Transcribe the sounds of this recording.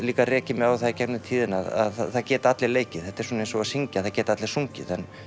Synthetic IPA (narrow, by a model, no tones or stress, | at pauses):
liːkarɛːcɪmɛðawθacɛknɪmt̪ʰiːðɪnaða̰ðaθaðcɛːt̪aat̪lɪleːjcɪð̥θɛht̪aɪ̥ɾsɔːnejnsɔɣasiɲcaθaðcɛːt̪at̪lɪɾ̥suɲcɪ̰ðɛn